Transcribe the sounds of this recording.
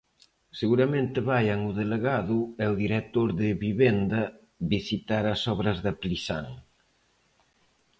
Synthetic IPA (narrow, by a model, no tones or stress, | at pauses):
seɣuɾɐmẽnt̪ɪβajaŋuðeleɣaðʊɛuðiɾek̚t̪oɾðɪβiβend̪ɐ | βisit̪aɾɐsɔβɾɐzðɐplisaŋ